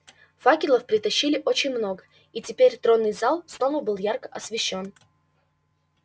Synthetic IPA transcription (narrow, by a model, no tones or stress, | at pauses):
fakʲɪlˠəfpɾʲɪt̪ɐɕːilʲɪʔo̞t͡ɕɪnʲmno̞ɡə | itʲɪpʲeɾʲt̪ɾo̞nːɨjzalˠsno̞vəbɨlˠjarkə̥ʔɐsvʲɪɕːo̞n